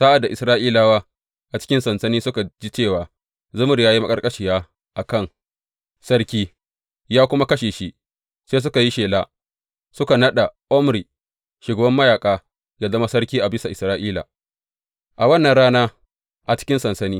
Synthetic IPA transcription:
sa˦ʔa˨dːa˨ʔɪ˨sɾaː˦ʔiː˦laː˨waː˦ | ʔa˨t͡ʃɪ̥˦kʲɪ˦nsɐ˨nsɐ˦niː˦sʊ˦ka˨d͡ʒi˦t͡ʃeː˦˨waː˨ | zʊ˦mʊ˨ɾjaː˦ji˦ma˦kʼɐ˦rkʼɐ˦ʃi˨jaː˦ | ʔa˨kɐ˦˨n | sɐ˦rkʲiː˦ | jaː˦kʷʊ˦ma˦kɐ˦ʃeː˨ʃi˦ʔ | seː˦s̬ʊ˦ka˨ji˦ʃeː˨laː˦ | sʊ˦ka˨nɐ˦ɗa˨ʔɔ˦mɾi˨ | ʃʊ˨ɡɐ˨bɐ˦mːɐ˦jaː˨kʼaː˦ | jɐ˨zɐ˦ma˦sɐ˦rkʲiː˦ʔa˨bɪ˦sa˨ʔɪ˨sɾaː˦ʔiː˦la̰˨ | ʔa˨wɐ˦nːɐ˨nɽaː˦naː˦ | ʔa˨t͡ʃɪ̥˦kʲɪ˦nsɐ˨nsɐ˦niː˦

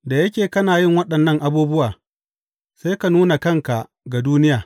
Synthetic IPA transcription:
da˨jɐ˦kʲeː˨kɐ˦naː˨jɪ˦ŋwɐ˦ɗɐ˨nːɐ˦ŋʔa˨buː˦bʊ˦waː˨ | sa˦ka˨nuː˦na˨kɐ˦ŋka˨ | ɡa˨duː˦nɪ˦jaː˨

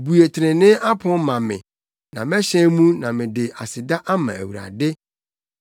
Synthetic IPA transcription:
bu˨e˨tʰɪ˨ɾɪ̃˨nɪ̃˦a˦pʰʊ̃˦mã˨mɪ̰̃˨ | nã˨mɛ˦ɕɛ̃˦mũ˦nã˨mɪ̃˨dɪ˨ʔa˨sɪ˨da˦ʔa˦mã̰˨æ̰˨wu˨ɾa̰˨dɪ˦

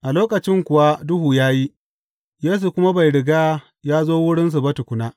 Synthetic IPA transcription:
ʔa˨loː˦kɐ˨t͡ʃɪ˦ŋkʷʊ˨wa˦dʊ˦hu˨jaː˦ji˦ | jeː˦s̬u˨kʷʊ˦ma˦ba˨jɽɪ˨ɡaː˦ | jaː˦zoː˦wʊ˦ɽɪ˦ns̬u˨bɐ˦tʊ˨kʷʊ˦naː˦

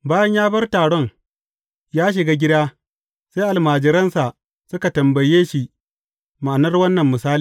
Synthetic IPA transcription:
baː˦jɐ˦ɲjaː˦bɐ˦rtaː˨ɽɔ˦ŋ | jaː˦ʃ̬ɪ˨ɡaː˦ɡʲɪ˦daː˦ | seː˦ʔa˨lmaː˨d͡ʒɪ˨ɾɐ˦nsa˨ʔ | sʊ˦ka˨tɐ˨mbɐ˨jeː˦ʃi˦ | ma˨nɐ˦rwɐ˦nːɐ˨mːʊ˨saː˦li˨

